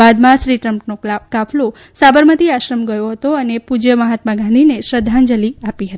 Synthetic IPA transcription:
ad̪mãʃɾiʈɾəmʈnokafʰlo | sabəɾmət̪iaʃɾəmɡəjoɦət̪oənepud͡ʒəməɦat̪maɡãnd̪ʱineʃɾəd̪ʱand͡ʒəliapiɦət̪ii

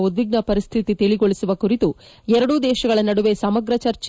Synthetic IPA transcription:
ud̪ʋiɡɳɐpɐɾist̪ʰit̪it̪iɭiɡoɭisuʋɐkuɾit̪u | ɛɾɐɽud̪ɛːʃɐɡɐɭɐnɐɽuʋe̞sɐmɐɡɾɐt͡ʃɐɾt͡ʃ

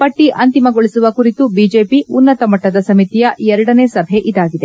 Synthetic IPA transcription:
pɐʈːiʔɐnt̪imɐɡoɭisuʋɐkuɾit̪ubid͡ʒe̞ːpiunːɐt̪ɐmɐʈːɐd̪ɐsɐmit̪ijɐɛɾɐɽɐne̞ːsɐbʱeʔid̪aːɡid̪e̞

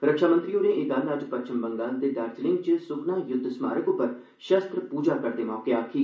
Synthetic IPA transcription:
ɾəkʃaːmə̃nt̪ɾiːoːnẽːeːd̪ənəd͡ʒpət͡ʃɪmbəŋɡaːld̪eːd̪əɾd͡ʒlɪ̃ŋɡt͡ʃəsʊknaːjʊd̪ʱːsma̰ːɾəkʊpːəɾ | ʃəst̪ɾəpuːd͡ʒaːkəɾd̪eːmɔːkeaːkʰiː

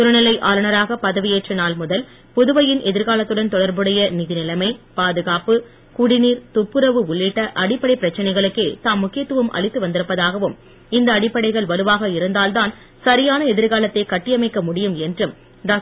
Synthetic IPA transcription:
t̪ʊɾɐnɐlɐɪʔaːlɐnɐɾaːɣɐpɐðɐʋɪjeːʈrɐnaːlmʊðɐl | pʊðɯʋɐjɪnʔɛðɪɾɣaːlɐt̪ːɯɽɐnt̪ɔɽɐɾbɯɽɐjɐnɪðɪnɪlɐɪmɐɪpaːðɯɣaːpɯ | kʊɽɪniːɾt̪ʊpːɯɾɐʋɯʊɭːiʈːɐʔɐɽɪpːɐɽɐɪpɪɾɐt͡ʃːɐnɐɪɣɐɭɯkːeːt̪aːmːʊkːɪjɐt̪ːɯʋɯmʔɐ̰ɭɪt̪ːɯʋɐnd̪ɪɾɯpːɐðaːɣɐʋɯm | ɪnd̪ɐːɽɪpːɐɽɐɪɣɐɭʋɐlɯʋaːɣɐɪɾɯnd̪aːlt̪aːn | sɐɾɪjaːnɐɛðɪɾɣaːlɐt̪ːɐɪkɐʈːɪjɐmɐɪkːɐmʊɽɪjɯmɛndrɯm | ɖaː

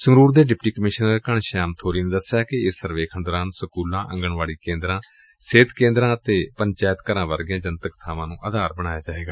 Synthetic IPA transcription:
səŋɾuːɾd̪eːɖɪpʈiːkəmɪʃnəɾkəɳʃaːmt̪ʰoːɾiːneːd̪əsjaːkɪɪsːəɾʋeːkʰənd̪ɾãːnũːsəkuːlãːʔə̃ŋɡəɳʋaːɭiːkẽːnd̪ɾãː | seːt̪kẽːnd̪ɾãːət̪eːpənt͡ʃaːjət̪kəɾãːʋəɾɡɪjãːd͡ʒənt̪əkt̪ʰaːmãːnũːʔəːd̪aːɾbəɽ̃aːjaːd͡ʒaːeːɡaː

